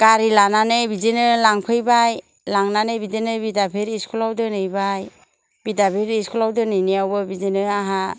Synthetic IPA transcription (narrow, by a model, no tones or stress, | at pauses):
ɡ̥aɾilananɯbizenɯlaŋpʰɯjbaj | laŋnanɯjbidenɯbidabʰʱeɾiskʰulawdɯnɯjbaj | b̥idabʱiɾiskʰulawdɯnɯjnijawbɯbizinɯaɦa